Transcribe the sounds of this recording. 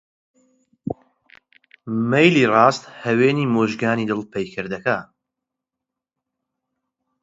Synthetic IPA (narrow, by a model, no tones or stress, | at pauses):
mejliːrɑːst̪hɐweːniːmoːʒɡaːniːd̪ɨlˠpʰejkʰɨɾd̪ɐkaː